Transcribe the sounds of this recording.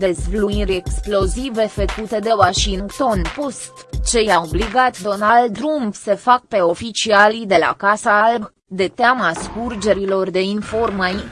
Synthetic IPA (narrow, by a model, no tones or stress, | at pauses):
d̪e̞zvluniɾʲeksplo̞zive̞fəkut̪e̞d̪e̞waʃiŋɡt̪o̞npost̪t͡ʃe̞jaobliɡat̪d̪o̞nald̪ɾumpsefak̚pe̞o̞fit͡ʃialid̪e̞la̰kasaalb | d̪e̞t̪eaməaskurd͡ʒe̞ɾilo̞rd̪e̞info̞rmai